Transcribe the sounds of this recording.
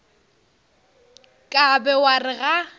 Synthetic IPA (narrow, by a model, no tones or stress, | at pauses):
kʼabɛwarɪɣa